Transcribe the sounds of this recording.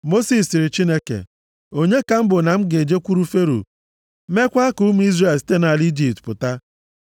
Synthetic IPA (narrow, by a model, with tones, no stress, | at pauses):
mo˦si˨sɪ˨ɾɪ˨t͡ʃi˦ne˦kḛ˨ | o˦ɲe˦ka˨m̩˦bʊ˨na˨m̩˦ɡe˨d͡ʒe˦kʷu˦ɾu˦fe˦ɾṵ˨ | me˦kʷa˦ku˦m˦i˦zre˨lsi̥˦te˦na˨li˦d͡ʒi˨p̚tpʊ˨ta˦